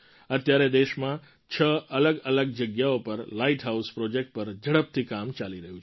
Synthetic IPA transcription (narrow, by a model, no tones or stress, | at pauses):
ət̪jaɾed̪eʃmã | t͡ʃʰəələɡələɡ̚d͡ʒəɡjaopəɾlaiʈɦauspɾɔd͡ʒek̚ʈ̚pəɾd͡ʒəɽəp̚t̪ʰikamt͡ʃaliɾəɦũ